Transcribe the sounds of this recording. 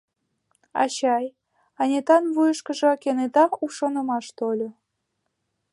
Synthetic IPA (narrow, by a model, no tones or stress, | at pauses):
ɑ̰ɕɑj | ɑnʲet̪ɑnβujəʃkəʒɤ̆kʲenet̪ɑɾuʃonə̆mɑʃt̪olʲo